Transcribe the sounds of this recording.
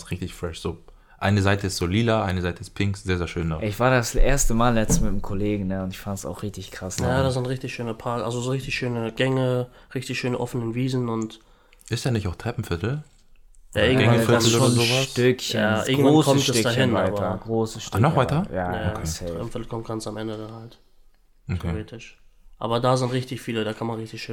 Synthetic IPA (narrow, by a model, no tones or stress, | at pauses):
sʁɪçtɪçfʁ̥ɛʃz̥oː | ʔaɪnəzaɪtəɪstz̥oliːdɐʔaɪnəzaɪtəɪspʰɪŋksz̥eːɐzeːɐʃøːndaɪçv̥aːɐdasʔeːɐstəmaːllɛt͡stəmɪtəmkʰoleːɡŋ̩nəʊntɪçfantsa̰ʊxʁɪçtɪçkʁ̥asnajaːdasanʁɪçtɪçʃøːnɐpʰaɐkʔa̰lzozoːʁɪçtɪçʃøːnəɡ̥ɛŋəʁɪçtɪçʃøːnəʔɔfənənviːzn̩ʊnt | ʔɪstd̥anɪçaʊxtʁ̥ɛpm̩fɪtl̩ | ja̰ːɪɪɡŋŋvafɪanl̩ːɐzoːvastʏkçjəa̰ːʔɪɐɡŋ̩vvokʰɔmtɛsd̥aːhɪnvaaɪbɐɡ̥ʁoːsəʃtnɔχvaɪɐjaːɛʁɛ̰pm̩fɪtl̩kʰɔmt̚ɡ̥ansamʔɛndədanhaltʰ | eʁeːtʰɪʃʔa̰ːbɐdaːzɪntʁɪçtɪçfiːlədaːkʰanmanʁɪçtɪçʃøː